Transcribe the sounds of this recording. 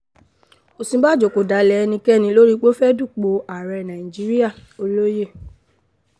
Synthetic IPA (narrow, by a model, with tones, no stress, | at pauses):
o˨sĩ˧˦ba˦˨d͡ʒo˨ko˨da˨˦lɛ˨˧nĩ˧kɛ˦˨nĩ˧lo˦ɾi˦k͡po˦fɛ˦du˦˨k͡po˨a˨ɾɛ˧nã˨ĩ˨d͡ʒi˨˦ɾi˦a˦˨o˧lo˦je˦˨